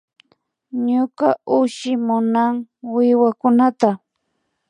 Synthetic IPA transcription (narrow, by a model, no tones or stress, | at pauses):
ɲʊkaʔʊʃɪmʊnaŋwɪwakʊnat̪a